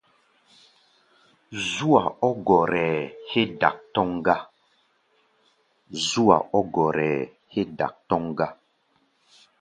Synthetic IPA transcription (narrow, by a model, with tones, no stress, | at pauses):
zu˦a˨ɔ˦ɡɔ˨ɾɛː˨he˦da̰˨k̚tɔ˦ŋɡa˦ | zu˦a̰˨ʔɔ˦ɡɔ˨ɾɛ˨ | he˦da̰˨k̚tɔ˦ŋɡa˦